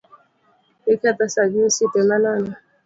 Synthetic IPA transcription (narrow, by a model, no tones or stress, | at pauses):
ekat̪asad͡ʒisit̪emanana